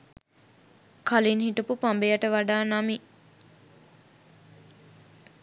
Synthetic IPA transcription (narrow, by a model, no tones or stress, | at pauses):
kʰalinɦiʈupupambejaʈəʋaɖaːnami